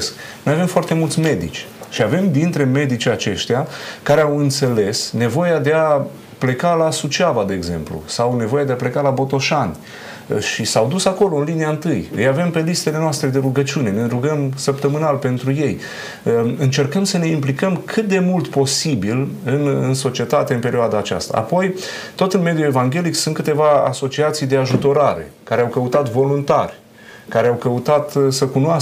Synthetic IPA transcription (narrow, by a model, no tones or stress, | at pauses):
sk | nojave̞mfoart̪e̞mult̪sʲme̞d̪ḭt͡ʃʲʃiave̞md̪int̪ɾe̞me̞d̪it͡ʃʲat͡ʃe̞ʃt̪eakaɾeawɨnt̪se̞le̞sne̞vo̞jad̪e̞a | ple̞kalasut͡ʃavad̪e̞ːɡze̞̰mplṵsawne̞vo̞jad̪e̞aplekalabo̞t̪o̞ʃanʲ | ʃisawd̪usako̞lo̞ɨnliniaɨnt̪ɨjjejave̞mpe̞list̪e̞le̞noast̪ɾe̞d̪e̞ɾuɡət͡ʃiune̞ne̞ɾuɡəmsəpt̪əmɨnalpe̞nt̪ɾuje̞j | ɨnt͡ʃe̞rkəmsəne̞implikəmkʰɨt̪̚d̪e̞mult̪po̞sibilɨnɨnso̞t͡ʃie̞t̪at̪e̞ɨnpe̞ɾioad̪aːt͡ʃa̰st̪a̰a̰po̞j | t̪o̞t̪ɨnme̞d̪jue̞vaŋɡʲe̞liksunt̪kɨt̪e̞vaa̰so̞t͡ʃiat̪sijd̪e̞aʒut̪o̞ɾaɾe̞̰kaɾeawkəut̪at̪vo̞lunt̪a̰rʲ | kaɾeawkəut̪at̪səkunoa